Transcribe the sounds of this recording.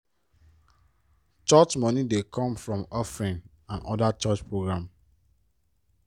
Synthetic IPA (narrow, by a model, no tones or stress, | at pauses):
t͡ʃɔt͡ʃmɔnidekʰɔ̃mfɹɔ̃mɔfɹĩn | ãnɔdat͡ʃɔt͡ʃpʰɹoɡɹãm